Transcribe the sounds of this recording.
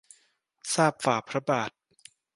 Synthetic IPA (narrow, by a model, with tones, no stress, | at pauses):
saː˥˩p̚faː˨˩pʰɾa˦˥baː˨˩t̪̚